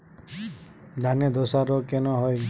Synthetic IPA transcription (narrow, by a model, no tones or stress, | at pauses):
d̪ʱaned̪osaɾɔkenɔɦɔj